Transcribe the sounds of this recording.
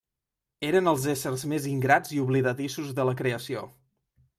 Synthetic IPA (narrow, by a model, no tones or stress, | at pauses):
eɾənəlˠzesəɾzmeziŋɡɾad͡ziuβliðət̪isuzðələkɾeəsio